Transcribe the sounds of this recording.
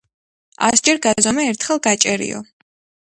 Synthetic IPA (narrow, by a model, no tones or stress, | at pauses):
a̰sd͡ʒɛɾɡazɔmɛːɾt̪ʰχɛlˠɡat͡ʃʼɛɾḭɔ̰